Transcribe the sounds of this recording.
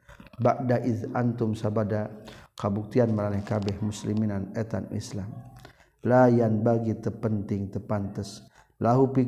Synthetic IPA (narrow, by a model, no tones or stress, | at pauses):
baʔdaʔid̪ant̪umsabadakəbuk̚t̪ianməɾanahkabɛhmusliminanɛt̪a̰nḭslam | lajanbaɡit̪əpənt̪ɪŋt̪əpant̪əs | laɦupi